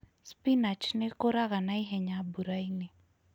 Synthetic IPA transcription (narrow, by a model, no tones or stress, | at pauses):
spinat͡ʃnekoɾaɣanaiɦɛɲabuɾaine